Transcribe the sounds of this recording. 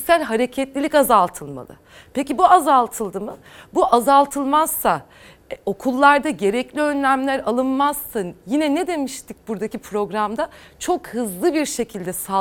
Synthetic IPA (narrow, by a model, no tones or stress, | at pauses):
sælʲɦaɾe̞cʰɛt̪lʲilʲikazalˠt̪ʰɯlˠma̰lˠɯ̰ | pecibuazalˠt̪ʰɯlˠd̪ɯmɯ | buʔazalˠt̪ʰɯlˠmaz̥ːa | o̞kʰulˠːaɾd̪aɟe̞ɾɛclʲiø̞nlʲæmlʲæɾalˠɯnmaz̥sanjinɛned̪e̞miʃt̪ʰic̚buɾd̪acipʰɾo̞ɡɾamd̪at͡ʃʰo̞khɯzlˠɯbiɾʃe̞cʰilʲd̪ɛsa